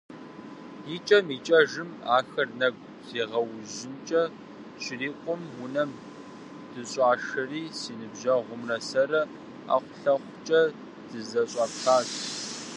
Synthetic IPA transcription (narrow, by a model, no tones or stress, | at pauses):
jit͡ʃʼɐmiːt͡ʃʼɐʒɨmaːxɐrnɐɡʷ | z̥eːʁɐwʑɪnt͡ʃʼɐ | ɕʰɪriːqʷʼʊmwʊnɐm | d̥ɨɕʼaːʂɐriːsiːnɨbʑɐʁʷʊmrɐsɐɾɐ | a̰ːχʷʊɬɐχʷt͡ʃʼɐ | d̥ɨzɐɕʼɑːpxaːz